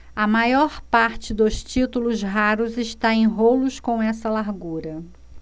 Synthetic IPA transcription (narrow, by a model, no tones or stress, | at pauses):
ɐmajɔɾpaɾt͡ʃɪd̪ʊst͡ʃit̪ulʊzɦaɾʊzɪʃt̪aẽj̃ɦolʊskõɛsɐlaɾɡuɾɐ